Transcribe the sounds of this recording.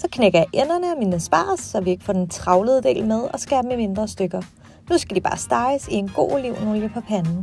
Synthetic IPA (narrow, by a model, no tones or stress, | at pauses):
sɒ̽kʰneɡ̥ɐjɑ̈ʔenɐnəɒminəsb̥ɑ̰̈ːsːɒʋie̝ɡ̥fɒ̰ːd̥ent͡sʰʁɑ̈ʊləð̞̩ˠd̥e̝̰ːlmeð̞ˠɒ̽sɡ̥ɛɐb̥emime̝nd̥ʁɐsd̥øɡ̥ɐ | nusɡ̥æd̥ib̥ɑ̈ːsd̥ɑ̈ɪəsie̝nɡ̥o̝̰ːliʊ̰noljəpʰɒ̽pʰænnn̩